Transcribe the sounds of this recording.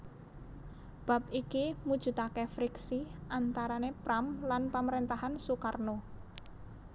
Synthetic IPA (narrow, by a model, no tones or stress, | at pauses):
b̥a̤p̚ikimud̥ʒ̥ṳt̪akefɾiksiʔant̪aɾanepɾamlanpaməɾent̪aɦansukarno